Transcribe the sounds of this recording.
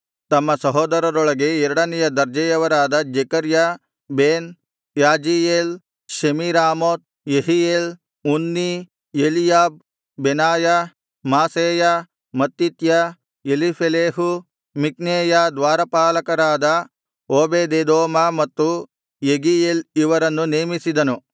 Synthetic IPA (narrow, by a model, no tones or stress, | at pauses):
t̪ɐmːɐsɐɦɔːd̪ɐɾɐɾoɭɐɡeɛɾɐɽɐnɛjɐd̪ɐɾd͡ʒɐjɐʋɐɾaːd̪ɐd͡ʒekɐɾja | beːn | jaːd͡ʒijeːl | ʃemiɾaːmoːt̪̚ | jeɦijeːl | unːi | jelijaːb̚ː | enaːja | maːseːja | mɐt̪ːit̪ja | elipʰeleːɦu | mik̚neːjad̪ʋaːɾɐpaːlɐkɐɾaːd̪ɐ | oːbeːd̪eːd̪oːmɐmɐt̪ːu | jeɡijeːliʋɐɾɐnːuneːmisid̪ɐnu